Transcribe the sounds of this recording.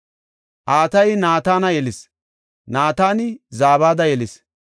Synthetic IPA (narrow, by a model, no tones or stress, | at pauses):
ʔaːt̪ɐjnaːt̪aːnɐjɛlɪs | naːt̪aːnɪzaːβaːd̪ɐjɛlɪs